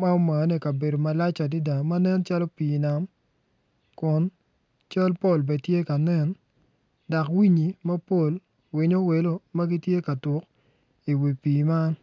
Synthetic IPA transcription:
ma˦o˦ma˨˦nɛ˨˦kɐ˨be˨do˨ma˨la˦t͡ʃa˨di˦da˨ma˦nɛ˦nt͡ʃa˦lɔ˦piː˨na˨m | kʊ˨˦n | t͡ʃa˦lpo˦˨lbɛ˨tje˦ka˨nɛ˦n | da˨kwi˦ɲi˨mɐ˦po˦˨l | wɪ˨˦ɲo˦we˨lo˦mɐ˦ɡi˦tje˦ka˨tʊ˨k | i˨wi˨piː˨ma˦n

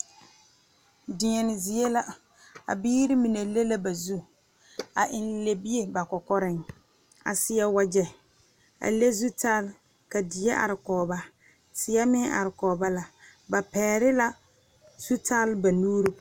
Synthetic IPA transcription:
dɪ˨ɲɛ˨nɪ˨zi˨e˦la˦ | a̰˨biː˦ɾɪ˦mi˨ne˨le˦la˦ba˨zu˦ | a˨ʔɪ˨nle˨bi˦e˨ba˨kɔ˨kɔ˦ɾɪ˦˨ŋ | a̰˨sɪ˦ja˦wa˦d͡ʒɛ˦ | a̰˨le˦zu˦ta˦l | ka˨dɪ˨je˦ʔa̰˨ɾɪ˨kɔː˨ba˦ | sɪ˦ja˦mɪ˦a̰˨ɾɪ˨kɔː˨ba˦la˨ba˨pɛː˨ɾɪ˦la˦ | z̥u˦ta˦lba˨nuː˦ɾu˦

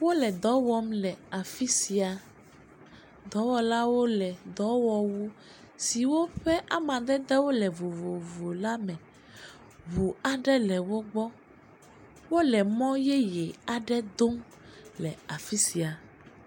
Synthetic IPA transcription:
wo˦lɛ˨d̪ɔ˨˦wɔ˦mlɛ˨a˨fi˦si˨a˨ | d̪ɔ˨˦wɔ˨la˦wo˦lɛ˨d̪ɔ˨˦wɔ˨wu˦ | si˨wo˦ɸɛ˦ʔa˨mã˨d̪ɛ˦d̪ɛ˦wo˦lɛ˨vo˨vo˨vo˨la˦mɛ̃˨ | βu˨a˨ɖɛ˦lɛ˨wo˦ɡ͡bɔ˦ | wo˦lɛ˨mɔ̃˦jɛ˦jɛ˨a˨ɖɛ˦d̪o˦m | lɛ˨a˨fi˦si˨a˨

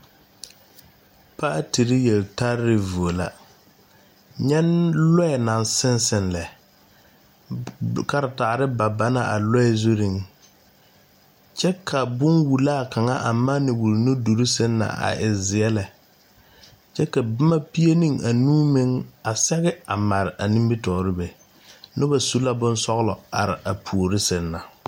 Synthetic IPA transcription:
pa˦ʔa˦ti˨ɾɪ˦jɛ˨lta˦ɾɾɪ˨vu˨o˨la̰˨ | ɲɛ˦nlɔ˦ɛ˨na˨nsɪ˦nsɪ˨nlɛ˨ | ka˦ɾɪ˨ta˨ɾɪ˦ba˨ba˨na̰˨ʔa˨lɔ˦ɛ˦zu˦ɾi˨ŋ | t͡ʃɛ˦kʰa˨bʊ˦nwu˨laː˦˨ka˨ŋa̰˦ʔa˨ma˦nɪ˨wu˨lnʊ˦du˨ɾi˦sɪ˦nːa̰˨ʔa̰˨ʔɪ˨zɪ˨ɛ˦lɛ˨ | t͡ʃɛ˦ka˨bɪ˦ma˦pi˦e˦nĩ˦ŋa˨nuː˦mɪ˦ŋa˨sɛ˦ɣɛ˦a˨ma˨ɾɪ˨ʔa˨nĩ˦mbi˦tɔː˨ɾɪ˦bɛ˨ | nʊ˦ba˨su˦la˦bʊ˦nsɔ˦ɣlɔ˨a̰˨ɾɪ˨ʔa˨pʰu˨o˨ɾɪ˦sɪ˦nːa˨

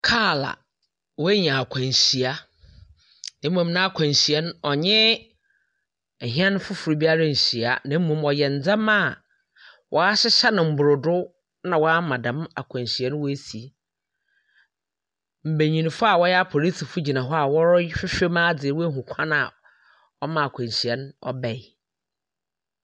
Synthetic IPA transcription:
kʰaː˦˨la̰˨ | wɔ˦e˦ɲ˨ã˨a˨kʷʰã˨n˨ɕi˨a˦ | nã˦m̩˦mũ˨mnã˦a˦kʷʰã˨n˨ɕi˨ɛ˦n˦ɔ˨ɲɪ̃˦˨ | ɦĩ˦ã˦nʊ̃˦fʊ˦fʊ˨ɾi˨bi˦a˦ɾa˦n̩˨ɕi˨a˨nã˨m̩˦mũ˦mɔ˨jɛ˨n̩˨d͡zã˦ma˦˨ | wʔɔ˨a˦ɕɪ˦ɕa˦nɪ̃˨m̩˨bʊ˨ɾʊ˨dʊ˦ | nã˨wɔ˦a˦mã˨dã˨ma̰˨kʷʰã˨n˨ɕi˨ɛ˦n˦wɔ˦e˦si˨ | m̩˨be˨ɲĩ˨nĩ˨fʊ˦a˨wɔ˦jɛ˦a˦pʰo˨li˦tʰi˨fʊ˦d͡ʑi˨nã˨ɦɔ˦a˨wɔ˦fᶣɪ˦fᶣe˦mã˦d͡zɪ˨ɛ˨wɔ˦ɦũ˨kʷʰã˦na˨ | ɔ˦mã˨a˨kʷʰã˨n˨ɕi˨ɛ˨nɔ̰˦bɛ˨j

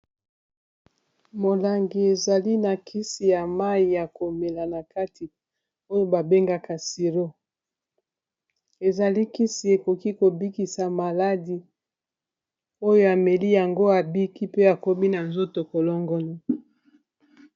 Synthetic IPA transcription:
mo˨la˨ŋɡi˨e˨za˨li˦na˨kʰi˦si˨ja˨ma˦i˨ja˨ko˨me˨la˨na˨ka˦tʰi˨ | o˦jo˨ba˨be˦ŋɡa˨ka˨si˨lo˦ | e˨za˨li˦ki˦si˨e˨ko˨ki˦ko˨bi˦ki˨sa˨ma˨la˦di˨ | o˦jo˦a˨me˨li˦ja˨ŋɡo˦a˨bi˦ki˦pe˦a˨ko˦bi˦na˨nzo˦to˨ko˨lɔ˦ŋɡɔ˦ni˦

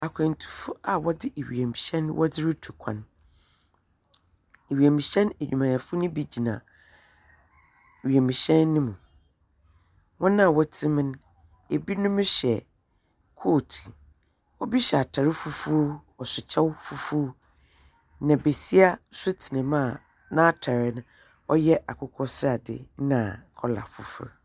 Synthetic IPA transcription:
a˨kʰɛ̃˨n˨tʰu̥˨fʊ˦a˨wɔ˦dɪ˦ʔe˨ɥḭ˨e˨mi˨ɕɛ̃˦n˦wʔɔ˦dɪ˦ɾɪ˦tʰu˨kʷʰã̰˨n | e˨ɥi˨e˨mĩ˨ɕɛ̃˦ne˨ɲᶣũ˨mã˨jã˨fʊ˦nʊ̃˦bi˦d͡ʑi˨nã̰˨ | ɥi˨ɛ˨mĩ˨ɕɛ̃˦nːɪ̃˦mũ˨ | wɔ̃˦nã˦˨wɔ˦tʰɪ̃˦mɪ̃˦n | e˨bi˦nʊ̃˦mʊ̃˦ɕɛ˨ | kʰoː˦˨tʰi̥˨ | ɔ˦bi˦ɕɛ˨a˨tʰa˨ɾɪ˦fu˦fu˦ | ɔ˨sʊ˨t͡ɕʰɛ˦wfu˦fu˦ | nã˨be˨si˦a˦sʊ˦tʰɪ˨nɪ̃˨mã˦˨ | nã˦tʰa˨ɾɪ˦nʊ̃˨ | ɔ˦jɛ˦ʔa˨kʰʊ˨kʰɔ˦sɪ˦a˨dɪ̰˨nã˨kʰɔ˦la̰˨fu˨fṵ˦ɾ

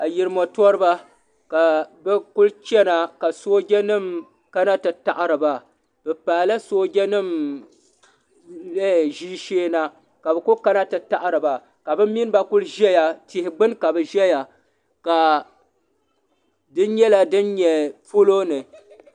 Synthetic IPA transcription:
a˨ji˨ɾɨ˨mɔ˨tɔ˦ɾɨ˦ba˦ | ka˨bɛ˦kʊ˦lt͡ʃɛ˦na˨ka˨soː˦ɡʲɛ˦nɨ˦m | ka˦na˦tɨ˨ta˨ʔɨ˨ɾɨ˨ba˨ | b̥ɛ˨paː˨la˦soː˦ɡʲɛ˦nɨ˦˨m | le˦˨ʒiː˦ʃeː˦na˦ | ka˨bɛ˨ku˦ka˦na˦tɨ˨ta˨ʔɨ˦ɾɨ˨ba˨ | ka˨bɨ˦m˦mːi˦n˦ba˦kʊ˦lʒɛ˦ja˨tɪ˨hɪ˨ɡ͡bɨ˦nka˨bɨ˨ʒɛ˦ja˨ | ka˨ | dɨ˦n˦ɲɛ˦la˦dɨ˦nɲɛ˨po˦lo˦nɨ˨

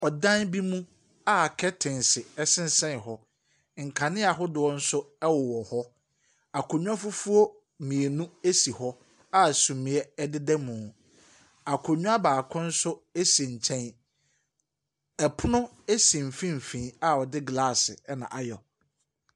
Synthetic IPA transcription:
ɔ˨dã˦nbi˦mũ˦ | a˦˨kʰɛ˦tʰɪ̃˨nsɪ˨ɛ˦sɪ̃˦n̩˦sɛ̃˦˨ɦɔ˦ | ŋ̩˨kʰã˨nɪ̃˦a˨ɦʊ˦dʊ˨ɔ˦n̩˦sʊ˦ɛ˦wʊ˨wɔ˨hɔ˦ | a˨kʰʊ˨ɲᶣũ˦a˦fʊ˦fu˦o˦ | mĩ˨e˨nũ˦e˦si˨hɔ˦ | a˦˨sũ˨mɪ̃˨ɛ˦ɛ˦dɪ˦dɛ˦mʊ̃˨ | a˨kʰʊ˨ɲᶣũ˦a˦baː˨kʰʊ̃˦n̩˦sʊ˦e˦si˨ɲ̩˨t͡ɕʰɛ̃˦n | ɛ˨pʰʊ˦nʊ̃˦ | e˦sĩ˨m̩˨fĩ˦m̩˨fĩː˨a˦ɔ˨dɪ˦ɡlaː˦˨sɪ̰˨ɛ˦nã̰˨ʔa˨jɔ˨

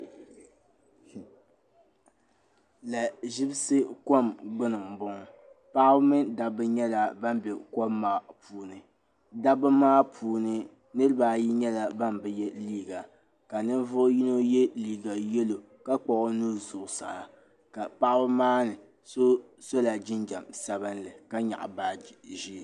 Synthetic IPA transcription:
la˨ʒɪ˦bsɨ˦ko˦mɡ͡bʊ˦nɨ˨ŋ˨bʊ˦ŋ˨ | pa˦ʔbɨ˦mɨ˦da˦bɨ˦ɲɛ˦la˨ba˦m˦bɛ˨ko˦mːaː˦˨pʰuː˨nɨ˨ | da˦bɨ˦maː˦pʰuː˨nɨ˦ | nɨ˦ɾɨ˦baː˨ji˦ɲɛ˦la˨ba˦nbɨ˨jɛ˦liː˦ɡa˨ | ka˨nɨ˦n˦vʊ˦ʔʊ˦ji˦no˦jɛ˦liː˦ɡa˨jɛ˦lo˨ | ka˦k͡pɔ˨ʔʊ˦nuː˦zʊ˨ʔsa̰˨a˨ | ka˨pa˦ʔa˦bɨ˦maː˦nɨ˨ | so˦ | so˦la˨d͡ʒɪ˦nd͡ʒa˨msa˨βɨ˦n˦lɨ˨ka˦ɲa̰˨ʔa̰˨baː˦ʒi˦˨

